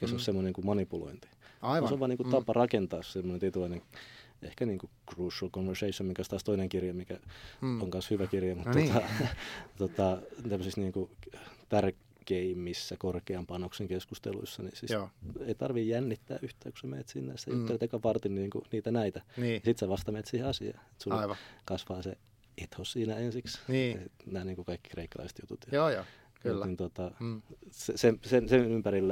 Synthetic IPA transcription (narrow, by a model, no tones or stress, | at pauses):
ekæsonssemːonenŋkumɑnipulo̰int̪i̥soʋɑːniːŋkutt̪ɑpɑrɑkent̪ɑːssemːonent̪it̪ulineŋ | ḛhkæniːŋkukruːsɑlkonʋerseisomiŋkæost̪ɑːst̪oineŋkirjɑmikæoŋkɑnshyʋækirjɑmut̪ːot̪ɑ | t̪ot̪ɑt̪æmːøsisniːŋkut̪ær | keimːisːækorkeɑmpɑnokseŋkeskust̪ḛlṵisːɑnḭsiseit̪ɑrʋijjænːit̪ːæ̰ːyht̪æːku̥sæmḛːt̪sinːḛːst̪æyt̪ːelet̪ɑokɑpɑrt̪inniːŋkṵniːt̪ænæit̪ænːɑsit̪sæʋɑst̪ɑmeːt̪siheɑsiɑ̰ːet̪suɑiʋɑkɑsʋɑːse | et̪hosiːnæensiksniinæːniːŋkukɑikːi̥kreikːɑlɑ̰ise̥t̪jut̪ut̪jɑoːjo | klːnint̪ot̪ɑ | sesemsensenympærilː